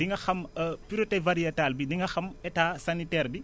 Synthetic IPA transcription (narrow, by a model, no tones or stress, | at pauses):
diŋɡɐxɐməpyɾotɛvɐɾijɐtaːlbidiŋɡɐxɐmɛtaːsɐnitɛːrbi